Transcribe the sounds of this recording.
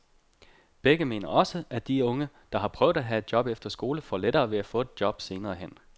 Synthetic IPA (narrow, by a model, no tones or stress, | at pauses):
b̥eɡ̥əme̝̰ːnɐɒ̽səʔæd̥iɔ̽ŋə | d̥ɑ̈ɦɑ̈pʰʁœʊd̥ˠæɦæe̝d̥̚jɒ̽b̥efd̥ɐsɡ̥o̝ːləfɒleɾɐːʋe̝æfɔ̰̽ːe̝d̥̚jɒ̽b̥se̝ːnɐːɦen̰